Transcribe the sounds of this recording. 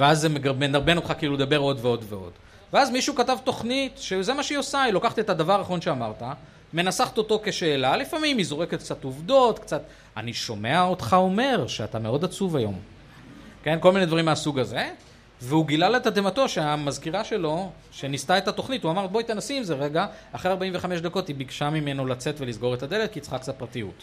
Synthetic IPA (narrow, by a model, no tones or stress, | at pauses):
veazemeɡaʁbenaʁbe̞no̞t̪χakiiːlud̪abe̞ʁo̞d̪veo̞d̪veo̞̰d̥ | veazmiʃukatavt̪o̞χnit̪ʃeze̞maʃeiosailo̞kaχt̪iet̪ad̪avaʁʁaeχonʃe̞amaʁt̪a | me̞nasaχt̪ot̪o̞ke̞ʃe̞ːlalifamimizo̞ʁeket̪k̚t͡sat̪uvd̪o̞t̪kt͡sat̪ | aniʃo̞me̞aot̪χao̞me̞ʁʃeat̪ame̞o̞d̪at͡suvajo̞̰m | ke̞nkolmine̞d̪vaɐʁimeasuɡaze̞ | veuɡilalet̪ad̪emato̞ʃeamazkiʁaʃe̞lo̞ | ʃe̞nistaetat̪o̞χnituamaʁt̪̚boit̪enasimzeʁeɡaaχʁeaʁbaimveχameʃd̪ako̞tibiɡʃamime̞no̞lat͡se̞tve̞lizɡo̞ʁet̪ad̪e̞le̞t̪̚kit͡sχaksapʁatijṵt